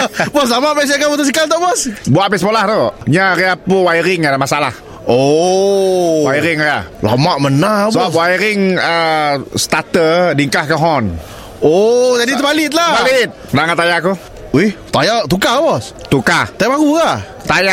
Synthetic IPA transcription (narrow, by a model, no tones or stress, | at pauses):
bɔs̬lamapes̬akabut̪əs̬ikalt̪aʔbɔsbuaʔpɛsəpolaht̪oɲaɾiapuwajɾɪŋadamasalah | o | waiɾɪŋajala̰maʔmənabsəbawaiɾɪŋəst̪at̪ədiŋkahkəɦɔn | od͡ʒadit̪əbalɪt̪̚labalɪt̪̚ənaŋat̪ajaku | uht̪ajat̪ukabɔs | t̪ukat̪ajmaɡuɡa | t̪ajaʔ